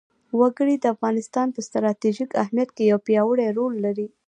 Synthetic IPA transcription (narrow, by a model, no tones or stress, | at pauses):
waɡəɽid̪əafɣɑnɪst̪ɑnpəst̪ɾɑt̪iʒikahmjat̪̚kejawpjɑwəɽeɾolːaɾi